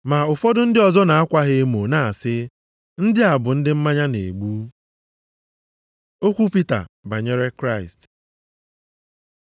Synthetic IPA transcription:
ma˨ʊ˨fɔ˦dʊ˦n̩˦dɪ˦ɔ˨zɔ˦na˨a˦kʷa˦ɦe˦e˦mo˨na˦a˨sɪ˦ | n̩˦dɪ˦a˨bʊ˨n̩˦dɪ˦m̩˦ma˦ɲa˦nḛ˨ɡ͡bu˦ | o˦kʷu˦pi˦ta̰˨ba˨ɲe˦ɾe˦kɾa˦˨ɪ˨st

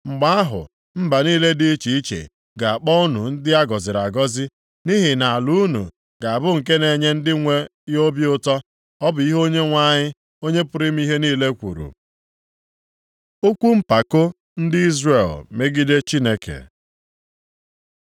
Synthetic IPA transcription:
ŋ͡m̩˨ɡ͡ba˦a˦ɦʊ̰˨ | m̩˦ba˨niː˦le˦di˦i˦t͡ʃi˨i˦t͡ʃḛ˨ | ɡa˨a˨k͡pɔ˦ʊ˦nṵ˨n̩˦dɪ˦a˦ɡɔ˨zɪ˨ɾa˨ɡɔ˦zɪ˦ | ni˦ɦɪ˨na˨a˨lu˦nṵ˨ | ɡa˨a˨bʊ˦ŋ̩˨k̬e˦ne˨ɲe˦n̩˦dɪ˦ŋʷe˦jo˦bjʊ˦tɔ˦ | ɔ˦bʊ˨i˦ɦo˦ɲe˦ŋʷa˦˨ɲɪ˦ | o˦ɲe˦pʊ˨ɾɪ˦m̩˦i˦ɦe˦niː˦le˦kʷṵ˨ɾṵ˨ | o˦kʷu˦m̩˦pa˨kʊ˦ | n̩˦dɪ˦i˦zre˨lme˦ɡi˦de˦t͡ʃi˦ne˦kḛ˨

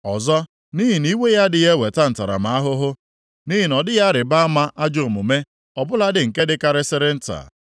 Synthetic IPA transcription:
ɔ˨zɔ˦ | ni˦ɦi˨ni˦we˦ja˦dɪ˨je˦we˨ta˦n̩˨ta˨ɾa̰˨ma˨˦a˦ɦʊ˦ɦʊ˦ | ni˦ɦi˨nɔ˨dɪ˦ja˦ɾɪ˨ba˦ma˦ʔa˦d͡ʒo˨mʊ˨me˦ | ɔ˨bʊ˦la˦dɪ˨ŋ̩˨ke˦dɪ˦ka˦ɾɪ˦sɪ˦ɾɪ˦n̩˦ta̰˨

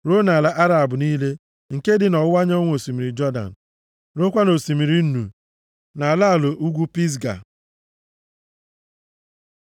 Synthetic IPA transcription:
ɾo˦na˨la˨ʔa˦ɾa˨bʊ˨niː˦le˦ | ŋ̩˨ke˦dɪ˨nɔ˨wʊ˦wa˦ɲ˦ɔ˦ŋʷ˦o˨si˨mi˨ɾi˨d͡ʒɔ˦da̰˨n̩˨ | ɾo˦kʷa˦no˨si˨mi˨ɾi˦nu˨ | na˨la˦a˨lo˨ʔu˦ɡʷu˦pi˦s̬ɡa̰˨

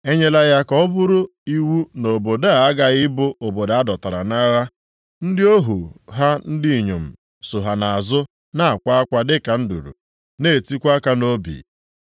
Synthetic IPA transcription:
e˦ɲe˦la˦ja˦kɔ˨˦ɔ˦bʊ˦ɾʊ˦ | i˦wu˦no˨bo˨da˦˨a˦ɡa˨ɪ˦bʊ˦o˨bo˨da˨a˦dɔ˨ta˨ɾa̰˨na˦ɣa˦ | n̩˦dɪ˦o˦ɦu˨ɦa˦n̩˦dɪ˦i˨ɲo˨m̩˨ | sʊ˨ɦa˨na˨a˨zʊ˦ | na˦a˨kʷa˦a˦kʷa˦dɪ˦ka˨n̩˦dṵ˨ɾṵ˨ | ne˦˨ti˦kʷa˦ka˦no˦bḭ˨

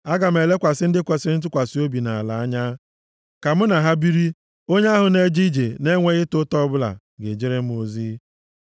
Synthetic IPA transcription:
a˦ɡa˨m̩˨e˨le˦kʷa˨sɪ˦n̩˦dɪ˦kʷa˨sɪ˦n̩˦t̬ʊ˦kʷa˨si˦o˦bi˨na˨a˨la˨a˦ɲa˦ | ka˨m̩˦na˨ɦa˦bi˦ɾi˦ | o˦ɲe˦a˦ɦʊ˨ne˨d͡ʒi˦d͡ʒe˨ne˦ŋʷe˦ɣɪ˦tʊ˦tɔ˦bʊ˦la̰˨ | ɡe˨d͡ʒe˦ɾe˦m̩˦o˨zi˦

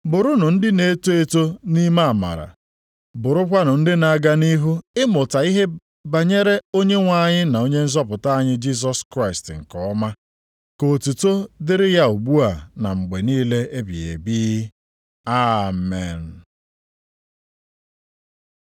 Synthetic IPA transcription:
bʊ˨ɾʊ˦nʊ˨n̩˦dɪ˦ne˦to˦e˦to˦ni˦ma˦a˨ma̰˨ɾa̰˨ | bʊ˨ɾʊ˦kʷa˦nʊ˨n̩˦dɪ˦na˨ɡa˦ni˦ɦu˦ɪ˦mʊ˨ta˨i˦ɦe˦ | ba˨ɲe˦ɾe˦o˦ɲe˦ŋʷa˦˨ɲɪ˦na˨o˦ɲe˦n̩˦zɔ˦pʊ˨ta˦a˦ɲɪ˦d͡ʒi˦s̬ɔ˦skɾa˦ɪ˨stŋ̩˨kɔ˨˦ma˦ | ko˨tu˨to˦dɪ˦ɾɪ˦ja˦u˨ɡ͡bu˦a˨na˨ŋ͡m̩˨ɡ͡be˨niː˦le˦e˦bḭ˨ḛ˨bi˦ | a˦mḛ˨n˨

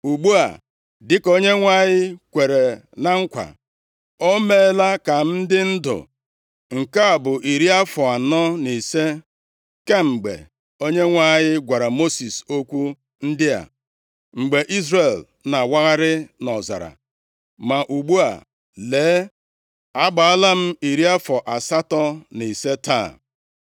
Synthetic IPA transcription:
u˨ɡ͡bu˦a̰˨ | dɪ˦ko˦ɲe˦ŋʷa˦˨ɲɪ˦kʷe˨ɾe˨ | na˦ŋ̩˦kʷa̰˨ | o˦me˦˨˦la˦ka˨n̩˦dɪ˦n̩˦dʊ̰˨ | ŋ̩˨ka˦a˨bʊ˨ʔi˨ɾi˦a˦fʊ˨a˨nɔ˦ni˨se˦ | ke˦ŋ͡m̩˨ɡ͡bḛ˨ | o˦ɲe˦ŋʷa˦˨ɲɪ˦ɡʷa˨ɾa˨mo˦si˨so˦kʷu˦ | n̩˦dɪ˦a̰˨ | ŋ͡m̩˨ɡ͡be˨ʔi˦zre˨l | na˨wa˦ɣa˦ɾɪ˦nɔ˨za̰˨ɾa̰˨ | ma˨ʔu˨ɡ͡bu˦a̰˨ | leː˨˦ | a˦ɡ͡ba˨a˦la˦m̩˦i˨ɾi˦a˦fɔ˨ʔa˨sa˦tɔ˦ni˨se˦ta̰˦˨

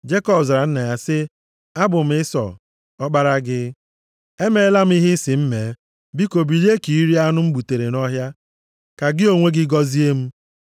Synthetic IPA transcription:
d͡ʒe˦kɔ˦bza˨ɾa˨n̩˦na˨ja˦sɪ˦ | a˦bʊ˨m̩˨˦ɪ˦sɔ̰˨ | ɔ˦k͡pa˦ɾa˦ɡɪ˦ | e˦me˦la˦m̩˦i˦ɦɪ˦sɪ˨m̩˦me˨ | bi˦ko˨bi˨li˦e˦ki˨i˦ɾi˦a˦nʊ˦m̩˦bu˨te˨ɾe˨nɔ˦ɦja˦ | ka˨ɡɪ˦o˨ŋʷe˦ɡɪ˦ɡɔ˦zi˦e˦m̩˦

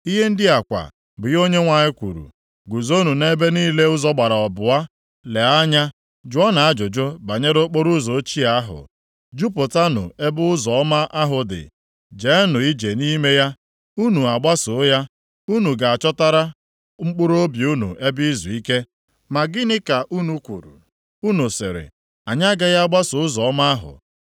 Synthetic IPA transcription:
i˦ɦe˦n̩˦dɪ˦a˨kʷa̰˨ | bʊ˨jo˦ɲe˦ŋʷa˨ɲɪ˦kʷṵ˨ɾṵ˨ | ɡu˨zo˦nu˨ne˦be˦niː˦le˦ʊ˦zɔ˦ɡ͡ba˨ɾa˨ɔ˨bʊ˨a˦ | le˨a˦ɲa˦ | d͡ʒʊ˨˦a˦na˨a˦d͡ʒʊ˨d͡ʒo˦ba˨ɲe˦ɾʊ˦k͡po˦ɾʊ˦zo˨˦t͡ʃi˦a˨˦ɦʊ̰˨ | d͡ʒu˦po˨ta˦nʊ̰˨e˦bʊ˦ʊ˦zɔ˨˦ma˦ʔa˦ɦʊ˨dɪ̰˨ | d͡ʒe˨˦nʊ˨i˦d͡ʒe˨ni˦me˦ja˦ | u˦nu˨a˨ɡ͡ba˦sʊ˨˦ja˦ | u˦nu˨ɡa˨a˨t͡ʃɔ˦ta˦ɾa˦ | ŋ͡m̩˦k͡pʊ˦ɾo˦bi˨u˦nṵ˨ʔe˦bi˦zu˨i˦ke˦ | ma˨ɡɪ˦nɪ˦ka˨ʔu˦nu˨kʷṵ˨ɾṵ˨ | u˦nu˨sɪ̰˨ɾɪ̰˨ | a˨ɲa˦ɡa˦ɣa˦a˦ɡ͡ba˦sʊ˨ʊ˦zɔ˨ɔ˦ma˦a˦ɦʊ̰˨

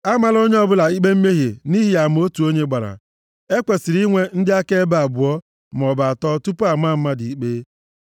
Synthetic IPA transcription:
a˦ma˨lo˦ɲe˦ɔ˦bʊ˦la˨i˦ɡ͡be˦m̩˦me˦ɦe˨ni˦ɦi˦ja˨m˨o˦tu˨o˦ɲe˦ɡ͡ba˨ɾa̰˨ | e˦kʷe˨sɪ˨ɾi˦ŋʷe˦n̩˦dɪ˦a˦ke˦ba˨bʊ˨ɔ˦ | m˨ɔ˨ba˨a˨tɔ˦tu˦pʊ˦a˨ma˦m̩˦ma˦di˨i˨k͡pe˦

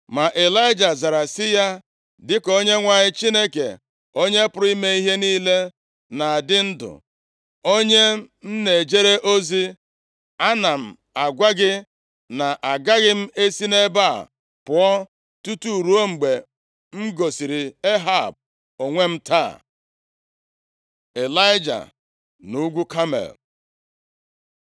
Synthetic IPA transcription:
ma˨ʔe˨la˦ɪ˦d͡ʒa˨za˨ɾa˨sɪ˦ja˦ | dɪ˦ko˦ɲe˦ŋʷa˨ɲɪ˦t͡ʃi˦ne˦kḛ˨ | o˦ɲe˦pʊ˨ɾʊ˦i˦me˦i˦ɦe˦niː˦le˦ | na˨dɪ˦n̩˦dʊ̰˨ | o˦ɲe˦n̩˦ne˨d͡ʒe˦ɾe˦ʔo˦zi˦ | a˦na˨m̩˨ | a˨ɡʷa˦ɡɪ˦ | na˨ʔa˨ɡa˦ɣɪ˦m̩˦e˦si˦ne˦ba̰˦˨ | pʊ˨ɔ˦ | tu˦tu˦˨ɾu˦o˦ŋ͡m̩˨ɡ͡be˨ | m̩˦ɡo˨si˨ɾi˨e˦ɦa˦˨b̚ | o˨ŋʷe˦m̩˦ta̰ː˦˨ | e˨la˦ɪ˦d͡ʒa̰˨ | nu˦ɡʷu˦ka˦mḛ˨l

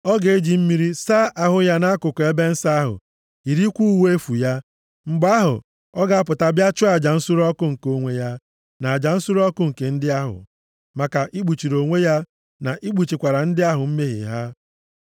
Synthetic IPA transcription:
ɔ˦ɡe˨e˦d͡ʒi˨m̩˦mi˦ɾi˦sa˦ʔa˨ɦʊ˨ja˦na˦a˦kʊ˨kɔ˨e˦be˦n̩˦sa˦a˦ɦʊ̰˨ | i˨ɾi˦kʷu˦u˦we˦fu˨ja˦ | ŋ͡m̩˨ɡ͡ba˦ɦʊ̰˨ | ɔ˦ɡa˨a˦p̬ʊ˨ta˨bja˦t͡ʃʊ˦a˨d͡ʒa˨n̩˦su˦ɾɔ˦kʊ˦ŋ̩˨ko˨ŋʷe˨ja˦ | na˨a˨d͡ʒa˨n̩˦su˦ɾɔ˦kʊ˦ŋ̩˨ke˨n̩˦dɪ˦a˦ɦʊ̰˨ | ma˨ka˨ʔi˦ɡ͡bu˨t͡ʃi˨ɾo˨ŋʷe˦ja˦ | na˨ʔi˦ɡ͡bu˨t͡ʃi˨kʷa˨ɾa˨n̩˦dɪ˦a˦ɦʊ˨m̩˦me˦ɦɪ̰˨ɦa˦

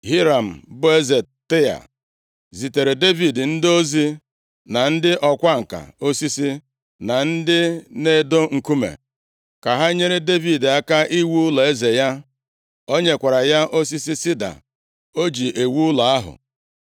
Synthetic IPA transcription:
ɦi˦ɾa˨m̩˨bʊ˦e˦ze˨ | te˦ja̰˨ | zi˨te˨ɾe˨de˦vi˨dn̩˦do˦zi˦ | na˨n̩˦dɪ˦ʔɔ˨kʷa˦ŋ̩˨ka̰˨o˦si˦si˦ | na˨n̩˦dɪ˦ne˦˨do˦ŋ̩˨ku˦mḛ˨ | ka˨ɦa˦ɲe˦ɾe˦de˦vi˨da˦ka˦ʔi˦wu˦la˨e˦ze˨ja˦ | o˦ɲe˨kʷa˨ɾa˨ja˦ʔo˦s̬i˦si˦si˦da̰˨ | o˦d͡ʒi˨ʔe˨wu˦ʊ˦la˨a˦ɦʊ̰˨

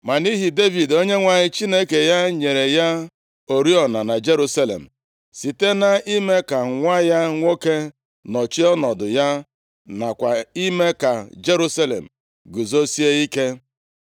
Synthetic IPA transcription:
ma˨ni˦ɦi˨de˦vi˨do˦ɲe˦ŋʷa˨ɲɪ˦t͡ʃi˦ne˦ke˨ja˦ɲe˨ɾe˨ja˦ | o˨ɾi˦ɔ˨na˨na˨d͡ʒe˦ɾu˦sa˦lḛ˨m̩˨ | si˨te˦na˨i˦me˦ka˨ŋʷa˦ja˦ŋʷo˦ke˦ | nɔ˨t͡ʃi˦ɔ˦nɔ˨dʊ˨ja˦ | na˨kʷa˨i˦me˦ka˨d͡ʒe˦ɾu˦sa˦lḛ˨m̩˨ | ɡu˨zo˦si˦e˦i˦ke˦

